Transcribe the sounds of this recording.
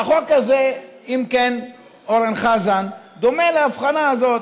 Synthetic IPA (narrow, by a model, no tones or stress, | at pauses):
aχo̞kazeimken | oʁenχazand̪o̞melaːfχanaazo̞t̪